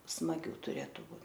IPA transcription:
smɐˈɡʲuː tʊˈrʲeːtʊ ˈbuː

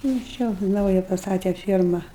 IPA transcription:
nʊ ˈt͡ʃʲɛ ˈnɐʊjɛ pɐsˈtɑːtʲɛ ˈfʲiɛrmɐ

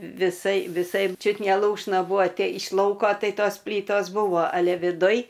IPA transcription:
ʋʲɪˈsɐɪ ʋʲɪˈsɐɪ ˈt͡ʃʲʊt nʲɛ ˈlˠuːʃnɐ ˈbuːʋoː ˈtʲɛ ɪʃ ˈlˠɐʊkoː ˈtɐɪ ˈtoːs ˈpʲlʲiːtoːs ˈbuːʋoː ɐˈlʲɛ ʋʲɪˈdʊj

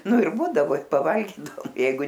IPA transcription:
ˈnʊ ɪr ˈbuːdɐʋoː pɐˈʋɐlʲɡʲiːdɐoːm ˈjɛɪɡʊ

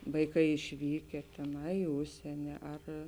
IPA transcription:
ʋɐɪˈkɐɪ ɪʃʲˈʋʲiːkʲɛ tʲɛˈnɐɪ ɪ ˈʊʃʲsʲiɛnʲɪ ɐr

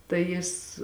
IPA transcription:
tɐɪ ˈjɪs

